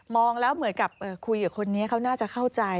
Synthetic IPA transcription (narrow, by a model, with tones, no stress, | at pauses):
mɔː˧ŋlɛː˦˥wmɯ˨˩˦nka˨˩p̚ʔɤː˨˩kʰu˧jːaː˨˩kʰo˧nːi˦˥ɐkʰa˦˥wnaː˥˩t͡ɕa˨˩kʰa˥˩wt͡ɕa˧j